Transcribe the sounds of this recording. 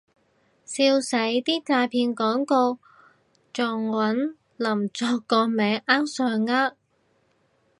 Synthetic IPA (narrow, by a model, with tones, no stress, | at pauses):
siː˧wsɐ˨˥jt̪iː˥t͡saː˧jpʰiː˧nkɔː˨˥ŋko˧w | t͡sɔː˨˩ŋwɐ˨˥n | lɐ˨˩mt͡sɔː˧kːɔː˧mɛː˨˧ŋʔaː˥wsœː˧ŋːaː˥t̚